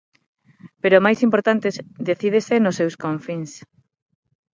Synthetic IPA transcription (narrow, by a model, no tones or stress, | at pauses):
peɾʊmajsimpoɾt̪ant̪ezd̪eθið̞esenʊsewskõɱfiŋs